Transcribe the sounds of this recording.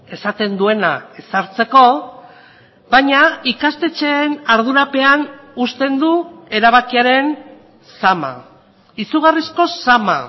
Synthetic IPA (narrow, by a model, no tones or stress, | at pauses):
e̞sat̪e̞nd̪ue̞nae̞saɾt͡se̞ko̞ | baɲaikast̪e̞t͡ʃenaɾð̞uɾape̞anust̪e̞nd̪ue̞ɾaβakiaɾe̞n | sama̰ | isuɣ̞arisko̞sama̰